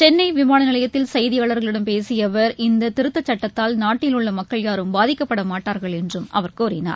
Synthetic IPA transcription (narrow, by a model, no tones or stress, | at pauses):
t͡ʃɛnːɐɪʋɪmaːnɐnɪlɐjɐt̪ːɪlsɐjðɪjaːɭɐɾɣɐɭɪɽɐmpeːsɪjɐʋɐɾɪnd̪ɐt̪ɪɾɯt̪ːɐt͡ʃːɐʈːɐt̪ːaːlnaːʈːɪlɯɭːɐmɐkːɐɭjaːɾɯmbaːðɪkːɐpːɐɽɐmaːʈːaːɾɣɐɭɛndrɯmɐ̰ʋɐɾkoːɾɪna̰ːɾ